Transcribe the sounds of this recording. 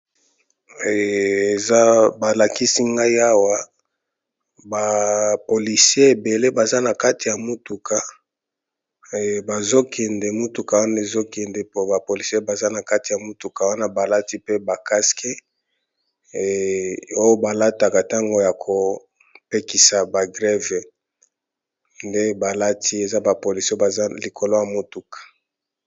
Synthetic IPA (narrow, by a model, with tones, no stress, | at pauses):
e˨za˦ba˨la˨ki˦si˦ŋɡa˦i˦a˦wa˦ | ba˨po˨li˨si˦e˦e˨be˨le˦ba˨za˦na˨ka˦ti˨ja˨mu˦tu˨kʰa˨ | ba˨zo˦kʰɛ˨ndɛ˨mu˦tu˨ka˨wa˦na˨e˨zo˦kɛ˨ndɛ˨po˦ba˨po˨li˨si˦e˦ba˨za˦na˨ka˦ti˨ja˨mu˦tu˨ka˨wa˦na˦ba˨la˦ti˦pe˦ba˨ka˦ske˦˨ | o˦jo˦ba˨la˦ta˨ka˨ta˦ŋɡo˦ja˨kʰo˨ | pe˦ki˨sa˨ba˨ɡʁɛ˦ve˨ | nde˦ba˨la˦tʰi˦e˨za˦ba˨po˨li˨sba˨za˦li˨kʰo˨lo˦ja˨mo˦tu˨kḁ˨